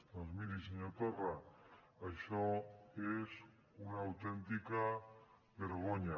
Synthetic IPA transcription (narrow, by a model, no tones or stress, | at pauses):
t̪ɾanzmiɾisiɲot̪ora | ajʃoes | unaːwt̪ent̪ika | βeɾɣ̞oɲa